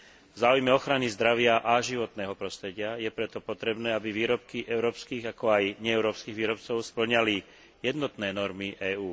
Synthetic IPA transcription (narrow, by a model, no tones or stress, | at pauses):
vzaːujmɛɔxɾanizd̪ɾaʋɪaʔaʒiʋɔt̪nɛːɦɔpɾɔst̪ɾɛɟɪajɛpɾɛt̪ɔpɔt̪ɾɛbnɛːabiʋiːɾɔp̚kiʔɛʊɾɔːpskiːɣakɔajɲɛɛʊɾɔːpskiːɣʋiːɾɔp̚t͡sɔʊspl̩ɲali | jɛd̪nɔt̪nɛːnɔɾmiʔɛːuː